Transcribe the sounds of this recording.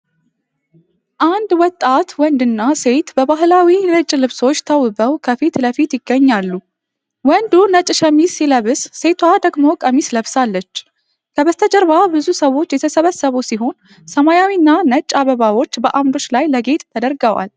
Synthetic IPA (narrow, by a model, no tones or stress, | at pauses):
ʔand̪wɔt̪ʼːat̪wɔnd̪ɨnːase̞t̪bəbaɦlawinət͡ʃʼːlɨβso̞t͡ʃːt̪ʰəwɨbəwkʰəfit̪ləfit̪jɪɡːəɲːalːu | wɔnd̪unət͡ʃʼʃəmisiləβɨsːe̞t̪ʰwad̪əɡmo̞kʼəmisləβsalːət͡ʃː | kʰəβəst̪ʰəd͡ʒəɾβabɨzusəwo̞t͡ʃːjɛt̪ʰəsəβəsːəβusiɦo̞n | səmajawinːanət͡ʃʼːaβəβawo̞t͡ʃːbəʔamd̪o̞t͡ʃːlajləɡe̞t̪ʼt̪ʰəd̪əɾɡəwa̰l